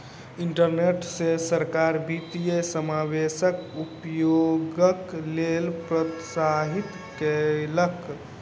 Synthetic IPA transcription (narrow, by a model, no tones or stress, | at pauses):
iɳʈəɾneʈsesəɾkaɾbit̪ijesəmabesəkupjoɡəklelpɾət̪saɦit̪ | kelək